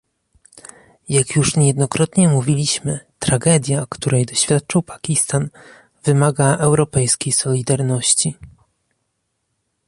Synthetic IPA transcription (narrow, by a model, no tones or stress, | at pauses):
jakjuʂɲjɛd̪nɔkɾɔt̪ɲɛmuvʲilʲiɕmɘt̪ɾaɡɛd̪ʲjakt̪uɾɛjd̪ɔɕfʲjat̪̚t͡ʂɨwpḁkʲist̪an | vɘmaɡaʔɛwɾɔpɛjskʲejsɔlʲid̪aɾnɔɕt͡ɕi